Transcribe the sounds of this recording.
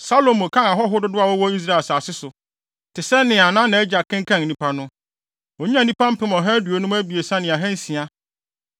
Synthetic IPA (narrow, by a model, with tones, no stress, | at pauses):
sa˦lo˨mʊ̃˨kʰã˦ŋa˨ɦɔ˦ɦʊ˦dʊ˦dʊ˦a˨wɔ˦wɔ˦i˦s̬ɾa˦˨lsaː˨sɪ˦sʊ˨ | tʰɪ˨sɛ˦nɪ̃˨a˨nã˦nã˨˦ɛ˦d͡ʑa˨kʰːɪ̃˦ŋkʰã˦ŋ˨nĩ˦pʰa˦nʊ̃˦ | ɔ˨ɲ̩˦ã˦˨˦nĩ˦pã˦m̩˦pɪ̃˦mɔ̃˨ɦɛ̃˦du˨o˨˦nʊ̃˦mæ˦bi˨e˨sã˦nɪ̃˨a˨ɦɛ̃˦n˦sĩ˨a˦